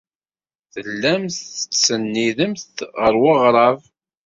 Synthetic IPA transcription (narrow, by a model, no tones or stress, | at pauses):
θəlːæmθət͡sːənːiðəmθʁəɾwəʁɾˤɑv